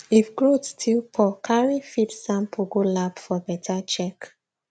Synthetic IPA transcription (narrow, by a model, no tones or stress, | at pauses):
ifɡɹotstʰilpʰɔkʰaɹifitsãmpʰoɡolapfɔbɛtʰat͡ʃɛk